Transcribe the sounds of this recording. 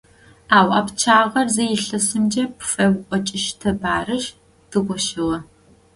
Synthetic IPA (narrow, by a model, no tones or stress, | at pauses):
aːwʔɐpt͡ʃʰaːʁɐrzɐjɪɬɐsɨmd͡ʒɐpʰfɐwʔʷʼɔt͡ʃʼɪʃtʰɐbaːrɨʒ | d̥ɨʁʷɔʃɨʁɐ